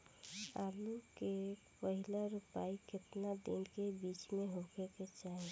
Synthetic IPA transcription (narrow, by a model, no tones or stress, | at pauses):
aːluke | pəɦɪlaɾʊpaːikɪt̪nad̪ɪ̰nkebiːt͡ʃmẽɦokeket͡ʃaːɦi